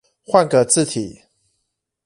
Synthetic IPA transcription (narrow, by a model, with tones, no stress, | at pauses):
xwa˥˨nkə˨t͡sɹ̩˥˨t̪ʰi˨˩˦